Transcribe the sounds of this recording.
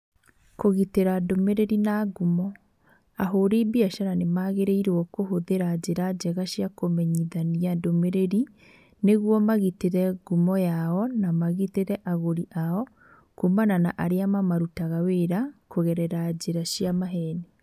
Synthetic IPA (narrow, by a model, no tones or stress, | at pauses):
koɣiteɾadomeɾeɾinaɡumɔ | aɦoɾebiaʃaɾanemaɣeɾeiɾɔkoɦoðeɾad͡ʑeɾad͡ʒɛɣaʃjakomɛɲiðaniadomeɾeɾi | neɣwɔmaɣiteɾɛɡumɔjaɔnamaɣiteɾɛʔaɣoɾiʔaɔ | kumananaʔaɾeamamaɾutaɣaweɾakoɣɛɾɛɾad͡ʒeɾaʃjamaɦɛne